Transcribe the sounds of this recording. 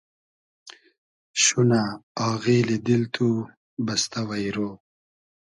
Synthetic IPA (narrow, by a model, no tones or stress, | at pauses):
ɕunaaːɣiːlid̪ilt̪ʰu | bɐst̪awɐjɾoː